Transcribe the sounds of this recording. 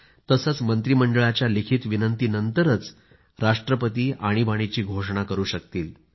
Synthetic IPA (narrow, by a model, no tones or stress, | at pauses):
t̪əsət͡smənt̪ɾiməɳɖəɭat͡ɕjalikʰiːt̪ʋinənt̪iːnənt̪əɾət͡s | ɾaʂʈɾəpət̪iːaɽ̃ibaɽ̃it͡ɕiːɡʱoʂɳ̃akəɾuːɕək̚t̪iːl